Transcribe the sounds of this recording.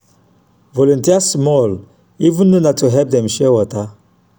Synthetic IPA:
vɔlũntiasmɔl | ivə̃nːunatuɦɛp̚d̪ɛ̃mʃɛwɔta

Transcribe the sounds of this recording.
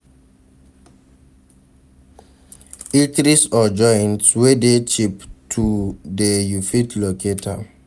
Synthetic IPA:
ikɾisɔd͡ʒɔntswedet͡ʃiptʰudejufitloketʰa̰

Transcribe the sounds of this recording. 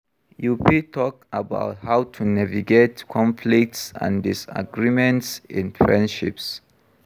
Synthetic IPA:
jupitʰɔkaba̰ʊthawtʰunaviɡetkʰɔ̃mpʰlik̚tsã̰ndisa̰ɡɹimɛ̃ntsḭ̃nfɹɛ̃ndʃḭps

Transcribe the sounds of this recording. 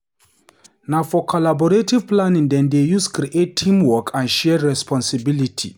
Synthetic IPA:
nafɔkʰɔlabɔɹetiv̥plãnĩŋd̪ɛ̃nd̪ejuskɾiʔettʰːĩmwɔkʰãnʃɛɹɛspʰɔ̃nsibilitʰḭ

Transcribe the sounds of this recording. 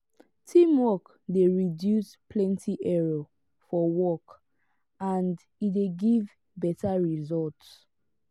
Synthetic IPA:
tʰĩmwɔk | deɹidjuspʰlɛ̃ntʰiʔɛɹo | fɔwɔk | ãnd | ideɡiv | bɛtaɹizɔlts

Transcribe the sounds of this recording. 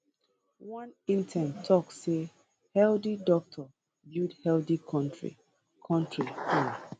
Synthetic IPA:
wɔ̃nĩntʰɛ̃ntʰɔksse | hɛldidɔk̚tʰɔ | bjudhɛldikʰɔ̃ntɹḭ | kʰɔ̃ntɹii

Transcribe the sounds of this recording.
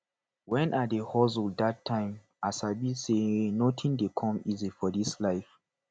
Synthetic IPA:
wɛ̃nʔadehɔzuldatʰːãɪ̃m | asabisenotʰĩndekʰɔ̃mizifɔdislaɪf

